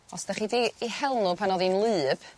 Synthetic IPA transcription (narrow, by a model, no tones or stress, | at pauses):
ɔsd̥aχiːdiːhɛlˠnupʰanɔðinlˠɨːb̥